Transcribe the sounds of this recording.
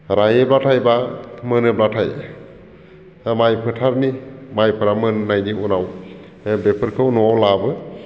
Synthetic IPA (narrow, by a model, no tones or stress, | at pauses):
ɾajeblatʰajbamɯnɯblatʰa̰j | majpʰɯtʰaɾnimajpʰɯɾamɯnːajniunaw | bepʰɯɾkʰɯnɔawlabɯ